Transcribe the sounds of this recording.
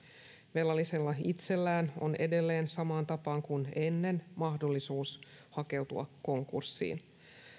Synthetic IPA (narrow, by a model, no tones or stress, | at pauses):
ʋe̞lːɑlːise̞lːɑit̪se̞lːæːno̰ne̞de̞lːe̞ːnsɑmɑːnt̪ɑpɑːŋkune̞nːe̞nmɑhdo̞lːisuːs | hɑke̞wt̪ṵɑ̰kːo̞ŋkṵrsːḭːn